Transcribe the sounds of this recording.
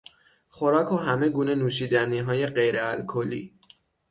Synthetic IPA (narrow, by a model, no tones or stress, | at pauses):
χo̞ɾɒːkʰoɦæme̞ɡuːne̞nuːʃiːd̪æniɦɒːje̞ɢe̞jɾeælkʰolḭː